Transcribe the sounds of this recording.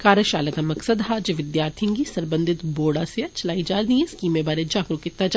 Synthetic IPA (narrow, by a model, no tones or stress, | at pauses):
kaːɾjəʃaːlət̪amɐksəd̪ɦaːd͡ʒeʋɪd̪jaːɾt̪ʰɪ̃ŋɡisɐɾbə̃nd̪ʱɪt̪boːɽaseɐt͡ʃɐlaːid͡ʒaːɾd̪iẽskiːmẽbaːɾed͡ʒaːkɾukɪt̪ːad͡ʒ